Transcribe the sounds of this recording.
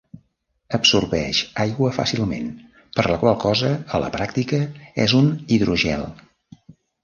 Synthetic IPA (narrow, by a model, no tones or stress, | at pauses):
əpsurβɛʃajɣwəfa̰silˠmḛn | pəɾləkwalˠkɔzəələ̰pɾak̚t̪ikəɛ̰zuniðɾuʒɛ̰lˠ